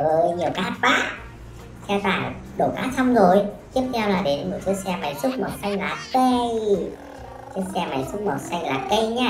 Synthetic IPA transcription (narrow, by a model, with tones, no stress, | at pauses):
vəː˨˦jɲi˨˩əwkaː˦˥t̚ɓaː˦˥k̚ | sɛ˧t̪aː˧˩ŋɗo̰˧˩kaː˦˥t̚t̪ʰa˧wŋ͡mzo˨˩jt̪i˦˥əp̚t̪ʰɛ˧wlaː˨˩ɗe˨˦nmo˨˩t̚si˨˦ək̚sɛ˧ma˨˩jsu˦˥k͡p̚mɔ˨˩t̚sa˧jŋ̟laː˨˩kə˧j | sɨ˨˦sɛ˧ma̰˨˩jsʊ˦˥k͡p̚mə˨˩t̚sa˧jŋ̟laː˨˩kə˧jɲaː˧